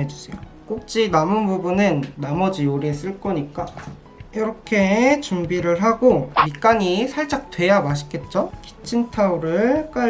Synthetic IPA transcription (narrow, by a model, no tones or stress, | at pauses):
ed͡ʑusʰejo | k͈ok̚t͡ɕ͈inamɯnbubunɯnːamʌd͡ʑioɾies͈ɯɭk͈ʌɲik͈a | jʌɾʌkʰe̞t͡ɕumbiɾɯɭɦaɡomik͈aɲisʰaɭt͡ɕ͈ak̚t͈we̞jamaɕʰi̥k͈e̞t̚t͡ɕ͈oki̥t͡ɕʰintʰauɾɯɭk͈a